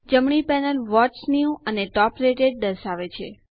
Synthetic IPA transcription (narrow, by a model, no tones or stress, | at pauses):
d͡ʒəmɳipɛnəlʋɔt͡ʃniũəneʈɔpɾeʈeɖ̚ɖəɾsaʋet͡ʃʰḛ